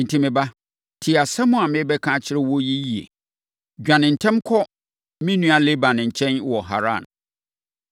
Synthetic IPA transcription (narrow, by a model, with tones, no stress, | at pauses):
n̩˨tʰĩ˦mɪ̃˨ba˦ | tʰɪ˨a˨sɛ˦mʊ̃˦a˨mɪ̃˦bɛ˦kʰã˦˨t͡ɕʰɪ˦ɾɛ˦wɔ˦ji˦ji˦ḛ˨ | d͡ʑᶣã˨nɪ̃˨n̩˨tʰɛ̃˦mkʰɔ˦ | mĩ˦nũ˦a˨le˦bã˨nɪ̃˨ɲ̩˨t͡ɕʰɛ̃˦nwɔ˨ɦa̰˨ɾã̰˦˨n